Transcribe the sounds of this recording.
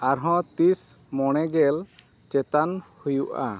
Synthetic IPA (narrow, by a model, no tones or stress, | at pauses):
aɾɦɔ̃t̪is | mɔɽ̃ɛɡɛl | t͡ʃɛt̪anhujuʔa̰